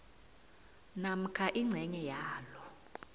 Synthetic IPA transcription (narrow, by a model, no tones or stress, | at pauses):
nam̩kʰaʔiŋ͡ǀʱɛɲɛjaːlɔ